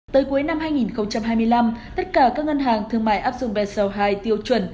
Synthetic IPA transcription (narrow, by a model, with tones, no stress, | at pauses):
t̪əː˨˦jku˨˦jna˧mhaː˧jŋi˨˩nxə˧wŋ͡mt͡ɕa˧mhɦaː˧jmɨ˧əjla˧mt̪ə˦˥t̚kaː˧˩kaː˦˥k̚ŋə˧nɦaː˨˩ŋt̪ʰɨ˨˩əŋma̰ː˧˨jʔaː˦˥p̚zʊ̰˨˧˨ŋ͡mvɛ˨˩sə˨˩wɦaː˧˩jt̪i˧əwt͡ɕwə˧˩n